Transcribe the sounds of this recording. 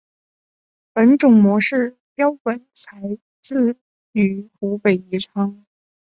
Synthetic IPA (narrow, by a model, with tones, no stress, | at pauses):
pə˧˥nʈ͡ʂʊ˨˩ŋmwɔ˧˥ʂɻ̩˥˩ | pjɑ˥ʊkə˧˥nt͡sʰa˧˥ɪ | t͡sɹ̩˥˧ | y˨˩xu˧˥pe˨˩ɪi˧˥ʈ͡ʂʰwɑ˥ŋ